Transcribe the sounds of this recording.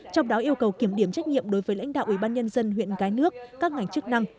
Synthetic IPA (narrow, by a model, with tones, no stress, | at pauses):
t͡ɕɔ˧wŋ͡mɗɔ˨˦ʔi˧əwkə˨˩wki˧˩əmɗi˧˩əmt͡ɕa˦˥jk̟̚ɲḭ˧˨mɗo˨˦jvəː˨˦jla̰˧˥ŋ̟ɗa̰ː˧˨wʔi˧˩ɓaː˧nɲə˧nzə˧nɦwḭ˧˨ənkaː˨˦jnɨ˦˥ək̚kːaː˦˥k̚ŋa˨˩jŋ̟t͡ɕɨ˦˥k̚na˧ŋ